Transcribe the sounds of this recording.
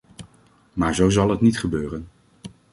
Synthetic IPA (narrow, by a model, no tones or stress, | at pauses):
maːɹzowzɑlˠɦətnitχəbøːrən